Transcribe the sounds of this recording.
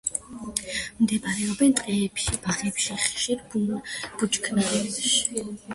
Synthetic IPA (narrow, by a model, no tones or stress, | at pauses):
md̪ɛbaɾɛɔbɛnt̪ʼqʼɛːpʃibaʁɛpʃiχʃiɾbub̥ut͡ʃkʰnaɛʃi̥